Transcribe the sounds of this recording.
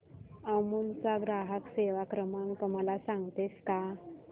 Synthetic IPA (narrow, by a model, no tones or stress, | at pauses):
amult͡saɡɾaɦəkseʋakɾəmãŋkt̪um̤alasaŋɡt̪eska